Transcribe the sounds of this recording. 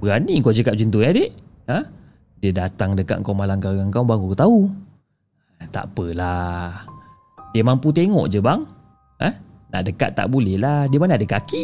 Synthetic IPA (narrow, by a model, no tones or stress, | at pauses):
bəɣaniŋkod͡ʒəkat̪ʔ̚d͡ʒint̪uɲadeʔ | ə | diədat̪aŋdəka̰t̪̚ŋkawmalamkaɡaŋkawbaŋkut̪au | t̪a̰ʔpəla | diəmamput̪̬eŋɔ̰ʔd͡ʒəbaŋ | ə | na̰ʔdəka̰t̪ːa̰ʔbulɛhladiəmanaadəkaki